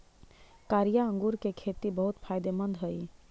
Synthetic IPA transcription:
kaɾijaə̃ŋɡuɾkekʰet̪ibəɦut̪pʰajd̪emənd̪ʱɦəj

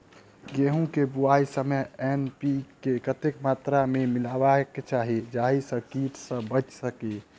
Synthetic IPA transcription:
ɡeɦũkebuaːisəməɦɛnpikekət̪ekmaːt̪ɾamemɪlabaket͡ʃaːɦid͡ʒaːɦisəkiʈsə̃bət͡ʃsəke

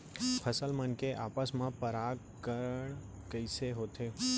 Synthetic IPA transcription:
pʰəsəlmə̃nkeʔapəsmãpəɾaɡ | kəɾəɳ | kəjseɦot̪ʰe

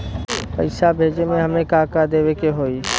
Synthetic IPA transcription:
pə̰ɪsabʱeːd͡ʒemẽɦəɐmẽkaːkad̪eːwekeɦoːiː

